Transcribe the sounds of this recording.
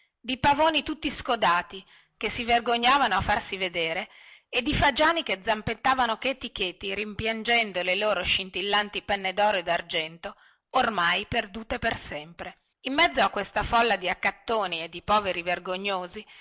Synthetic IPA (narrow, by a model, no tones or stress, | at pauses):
d̪ipavoːnit̪ut̪ːiskod̪aːt̪i | kesːiverɡoɲːaːvanoafːarsived̪eːɾe | ed̪ːifad͡ʒaːnik̟ed̪zːampet̪ːaːvanoket̪ːiket̪ːiɾimpjand͡ʒɛnd̪oleloːɾoʃint̪ilːant̪ipɛnːed̪ɔːɾoed̪ard͡ʒɛnt̪o | ormajperd̪uːt̪epersɛmpɾe | imːɛd̪zːoakːwest̪afɔlːad̪iakːat̪ːoːnied̪ːipɔːveɾiverɡoɲːoːzi